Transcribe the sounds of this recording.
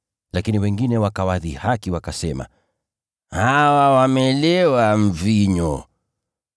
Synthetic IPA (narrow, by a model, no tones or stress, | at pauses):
lakiniwɛŋɡinɛwakawaðihakiwakasɛma̰ | hawawamɛlɛwaɱ̩viɲɔ